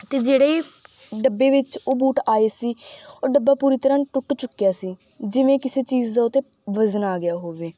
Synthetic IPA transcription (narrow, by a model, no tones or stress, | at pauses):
t̪eːd͡ʒeːɽeːiɖəbːeːʋɪt͡ʃoːbuːʈaːeːsiːoːɖəbːaːpuːɾiːt̪əɾãːʈʊʈːt͡ʃʊkːijaːsiː | d͡ʒɪʋẽːkɪseːt͡ʃiːd͡ʒd̪aːʊt̪ẽː | ʋəzənaːɡɪjaːɦoːʋeː